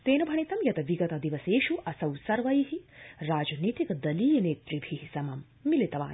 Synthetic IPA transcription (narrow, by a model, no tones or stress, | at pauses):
t̪eːnɐbʱɐɳit̪ɐmjɐt̪ɐʋiɡɐt̪ɐd̪iʋɐseːʃuʔɐsɐwsɐɾʋɐjɦiɾaːd͡ʒɐniːt̪ikɐd̪ɐliːjɐneːt̪ɾibʱiɦisɐmɐmːilit̪ɐʋa̰ːn